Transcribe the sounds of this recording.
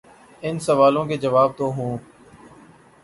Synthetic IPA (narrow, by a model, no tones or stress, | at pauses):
ɪnsəʋaːlõːkeːd͡ʒəʋaːb̚t̪oːɦũː